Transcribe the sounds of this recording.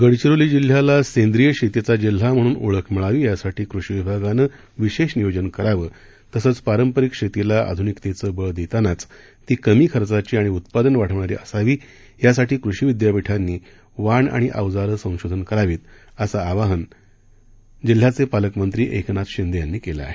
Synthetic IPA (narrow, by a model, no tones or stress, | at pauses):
ɡəɽt͡ɕiɾoliːd͡ʑil̤ːjalasẽnd̪ɾijəkɕet̪et͡sad͡ʑil̤am̤əɽ̃uːnṵɭəkʰmiɭaʋiːjasaʈʰiːkɾuɕiʋibʱaɡanəː | ʋiɕeɕnijod͡ʑənkəɾaʋəː | t̪əsəːt͡spaɾəmpəɾikɕet̪ilaa̰d̪ʱunikt̪et͡səːbəɭd̪et̪anat͡s | t̪iːkəmiːkʰəɾt͡sat͡ɕiːaɽ̃iut̪̚pad̪ənʋaʈʰəʋɳaɾḭʔəsaʋiː | jasaʈiːkɾuɕiːʋid̪japiʈʰanːiː | ʋaɳa̰ɽ̃iʔa̰ʋd͡zaɾəsə̃w̃ɕod̪ʱənkəɾaʋiːt̪ | əsaːʋaɦən | d͡ʑil̤ːat͡sepaləkmənt̪ɾiːʔeknat̪ɕind̪əjanːiːkela̰ːɦe